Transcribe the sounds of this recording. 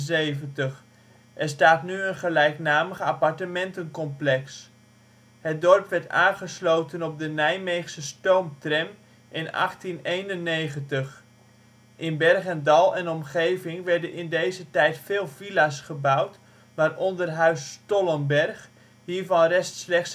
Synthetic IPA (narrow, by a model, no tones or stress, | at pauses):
zejvəntəχ | ʔɛrstaːtnyənχəlɛjknaːməχəapɑɹtəmɛntənkɔmplɛks | hət̚dɔrpʋɛɹta̰ːnχəslowtənɔp̚dənɛjmejχsəstowmtrɛm | ʔɪnɑ̰χtinejnənːejχəntəχ | ʔɪnbɛrχɛndɑlˠɛnɔmχejvɪŋʋɛɹdənɪndejzətɛjtfeːlˠvilasχəbawt | ʋaːrɔndərɦœɥstɔlˠəmbɛrχ | hiːɹvɑnrɛstslɛχts